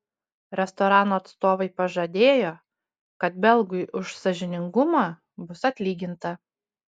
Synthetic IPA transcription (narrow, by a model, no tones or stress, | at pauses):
ɾʲɛst̪ɔɾɑːnoːɐt̪st̪oːʋɐɪpɐʒɐd̪ʲeːjoː | kɐt̪̚bʲɛlˠɡʊjɪʔʊʃsɐʒʲɪnʲɪŋɡʊmɑː | bʊsɐt̪ʲlʲiːɡʲɪnt̪ɐ